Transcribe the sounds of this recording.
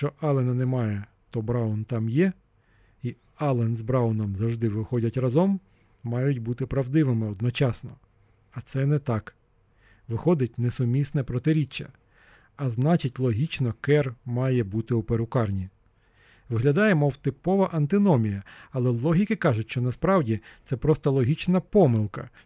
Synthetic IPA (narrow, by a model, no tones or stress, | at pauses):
ʃt͡ʃɔʔɑlˠenɐnɛmɑjɛ | t̪ɔbɾɑwnt̪ɑmjɛ | i | ɑlˠɛnzbɾɑwnɔmzɐwʒd̪ɪʋɪxɔdʲɐtʲrɐzɔmː | ɑjʊtʲbut̪ɪpɾɐwd̪ɪʋɪmɪɔd̪nɔt͡ʃɑsnɔ | ɐt̪sɛnɛt̪ɑk | ʋɪxɔd̪ɪtʲnɛsʊmʲisnɛpɾɔt̪ɪɾʲit͡ʃːɐ̰ | ɐznɑt͡ʃɪtʲlˠɔɦʲit͡ʃnɔkɛrmɑjɛbut̪ɪupeɾʊkɑrnʲi | ʋɪɦlʲɐd̪ɑjemɔwt̪ɪpɔʋɐʔɐnt̪ɪnɔmʲijɐɐlˠɛlˠɔɦʲikɪkɑʒʊtʲʃt͡ʃɔnɐspɾɑwdʲit̪sɛpɾɔst̪ɐlˠɔɦʲit͡ʃnɐpɔmɪlˠkɐ̰